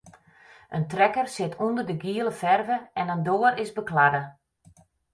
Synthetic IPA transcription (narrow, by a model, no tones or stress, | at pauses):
ʔəntrɛkərsɪtʰundərdəɡiəlˠəfɛrvəɛnəndoːəɾɪzbəkladə